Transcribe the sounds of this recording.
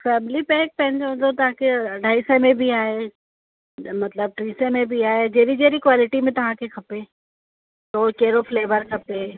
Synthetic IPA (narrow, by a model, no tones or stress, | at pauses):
fɛːmɪlipɛːk̚pɐ̃ɦɪ̃ɲd͡ʑoɦʊ̃d̪ot̪ɐʋãkʰeɐɖʱaːisə̃mẽbiaːɦe | mɐt̪ləb̚ʈɾĩːsə̃mẽbiaːɦed͡ʑeɦɾid͡ʑeːɾikwaːlɪʈimẽt̪ɐʋ̤ãkʰekʰɐpeː | t̪oːkɐɦɪɾofleːʋəɾkʰɐpe